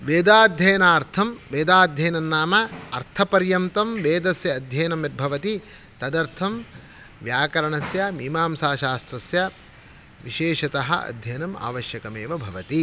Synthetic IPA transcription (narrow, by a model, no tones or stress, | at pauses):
ʋeːd̪aːd̪ʱjɐjɐnaːɾt̪ʰɐmʋeːd̪aːd̪ʱjɐjnɐnːaːmɐɐɾt̪ʰɐpɐɾjɐmt̪ɐmʋeːd̪ɐsjɐːd̪ʱjɐjnɐmɐt̪̚bʱɐʋɐt̪i | t̪ɐd̪ɐɾt̪ʰɐm | ʋjaːkɐɾɐɳɐsjɐmiːmaːmsaːʃaːst̪ɾɐsjɐ | ʋiʃeːʃɐt̪ɐɦɐ̰ɐ̰d̪ʱjɐnɐma̰ːʋɐʃjɐkɐmeːʋɐbʱɐʋɐt̪i